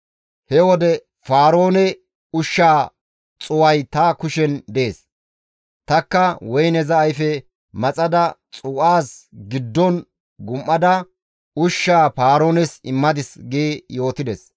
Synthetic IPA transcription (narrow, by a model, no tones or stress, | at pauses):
hɛwɔd̪ɛ | faːɾo̞ːnɛ | ʊʃːaː | t͡sʼʊwɐjt̪ɐkʊʃɛnd̪ɛeːs | t̪ɐkːɐwɔjnɛzɐːjfɛ | mɐt͡sʼɐd̪ɐt͡sʼuːʔaːsɡɪd̪ːɔn | ɡʊmʔɐd̪ɐ | ʊʃːaːfaːɾo̞ːnɛsɪmːɐd̪ɪsɡijo̞ːt̪ɪd̪ɛs